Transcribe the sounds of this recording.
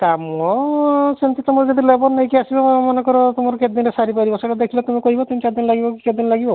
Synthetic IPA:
kamɔsent̪it̪umɔɾd͡ʒɔd̪ʱilebɔɾnajkiasibɔmɔnekɔɾɔt̪omɔɾɔked̪inesaɾipaɾibɔseʈɔd̪ekʰilat̪umikoɦibat̪umit͡ʃaɾd̪inlaɡibɔkiked̪inlaɡibɔ

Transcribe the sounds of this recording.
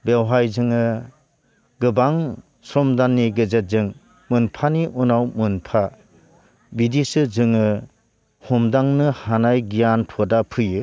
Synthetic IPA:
bewɦajzɯŋɯ | ɡɯbaŋ | sɾɔmdanːiɡɯzet̚zɯŋ | mɯnpʰaniʔunawmɯnpʰa | bidisɯzɯŋɯ | humdaŋnɯhanajɡijantʰɔdapʰɯjɯ

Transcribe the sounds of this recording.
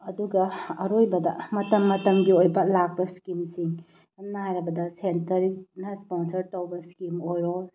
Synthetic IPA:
ɐduɡɐɐɾojbɐdɐmɐtɐmːɐtɐmɡiojbɐlak̚bɐskimsiŋ | ɐnnːaɦajɾɐbɐdɐsentɐɾinɐsponsɐɾtɐwbɐskimojɾo

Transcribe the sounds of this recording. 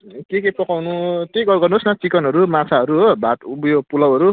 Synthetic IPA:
kekepʌkawnuʈikɡʌɡʌrnuosnʌt͡sikʌnɦʌɾumat͡sʰaɦʌɾuɦobʱat̪ubjopulʌwɦʌɾu

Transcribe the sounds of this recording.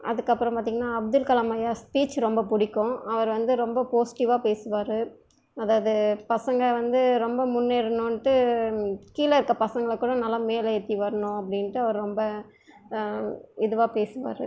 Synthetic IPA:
ʔɐ̰ðɯkːɐpːɯɾɐ̃mpaːt̪iːŋɡɐnːaːɐb̚d̪ɯlkɐlamɐjaːspiːt͡ʃːɾɔmbɐpʊɽɪkːʊ̃ɐʋɐɾʋɐnd̪ɯɾɔmbɐpoːsɪ̥ʈɪʋaːpeːsɯʋaːɾɯ | ɐðaːʋɐðɯpɐsɐŋɡɐʋɐnd̪ɯɾɔmbɐmʊnːeːɾɯnoːnʈːɯ | kiːlɐɪɾɯkːɐpɐsɐŋɡɐɭɐkːuːɽɐnɐlːaːmeːlɐɛt̪ːiʋɐɾɐnʊ̃ɐpːɐɽɪnʈːɯɐʋɐɾɾɔmbɐ | ɪðɯʋaːpeːsɯʋa̰ːɾɯ̰

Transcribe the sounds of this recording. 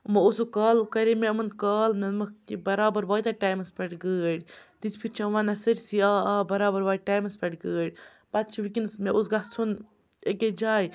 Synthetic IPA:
mɐusukaːlkɐɾimeɐmɐnkɐːlmemɐkibɐɾaːbɐɾʋaːjt̪aʈaːjmɐspɐʈɡəːɽʲd̪ispʰiɾt͡ʃʰɐʋanɐsɐɾʲsiaːaːbɐɾaːbɐɾʋaːʈaːjmɐspɐʈɡəːɽʲ | bat̪̚t͡ʃʰiʋikinsmeus̬ɡat͡sʰun | eked͡ʒaːj

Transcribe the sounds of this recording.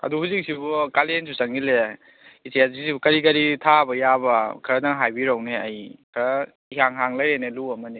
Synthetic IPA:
ɐ̰duhuzik̚sibukalens̬ʰusaŋile | isejazik̚sibukɐɾikɐɾitʰabɐjabɐkʰɐɾɐdaŋɦajbiɾawneajkʰɾa | ihaŋɦaŋlajɾeneluɐmɐni

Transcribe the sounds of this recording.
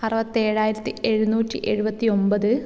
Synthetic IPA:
ɐrɐʋɐt̪ːe̞ːɻaːjiɾɐt̪ːie̞ɻunuːtːiʔe̞ɻubɐt̪ːio̞mbɐðɨ

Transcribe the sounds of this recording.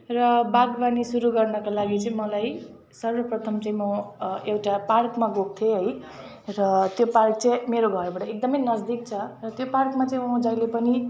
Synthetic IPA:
rʌbaɡbanisuɾuɡʌrnʌkalaɡit͡sʌĩmʌlaj | sʌrbʌprʌt̪ʰʌmt͡sʌĩmʌewʈaparkmaɡok̚t̪ʰeɦʌj | ɾʌt̪jopark̚t͡sʌĩmeɾoɡʱʌɾbaʈʌek̚d̪ʌmʌjnʌd͡zd̪ik̚t͡sʰʌrʌt̪joparkmat͡sʌ̃ĩmʌ̃d͡zʌjlepʌni

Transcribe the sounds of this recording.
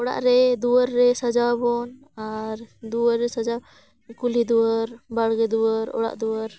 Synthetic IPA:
ɔɽa̰ʔɾɛd̪uəɾːɛsad͡ʒabɔn | aɾd̪uəɾːɛsad͡ʒa | kulid̪uwəɾbaɽɡɛd̪uəɾɔ̰ɽa̰ʔd̪uəɾ

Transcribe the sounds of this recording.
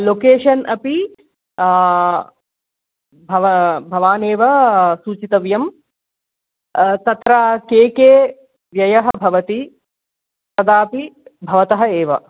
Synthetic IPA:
lokeːʂɐnʔɐpi | bʱɐʋɐbʱɐʋaːneːʋɐsuːt͡ʃit̪ɐʋjɐm | t̪ɐt̪ɾakeːkeː | ʋjɐjɐɦɐbʱɐʋɐt̪i | tɐd̪aːpibʱɐʋɐt̪ɐɦɐeːʋɐ̰

